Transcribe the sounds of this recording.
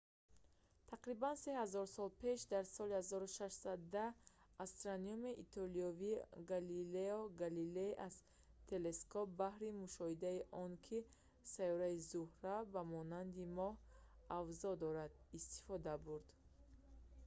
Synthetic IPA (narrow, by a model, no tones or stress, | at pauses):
t̪ʰaqɾibansehazɔɾsɔlpʰe̞ʃd̪aɾsɔlihazɔɾuʃaʃsad̪aast̪ɾaniumiʔit̪ʰɔliɔviɡalileɔɡalileʔaz̥ | t̪ʰe̞le̞skɔp̚bahɾimuʃɔhid̪aiʔɔnkʰi | sajɔɾaizuhɾabamɔnand̪imɔhavzɔd̪ɔɾad̪ist̪i̥fɔd̪abuɾd̪̥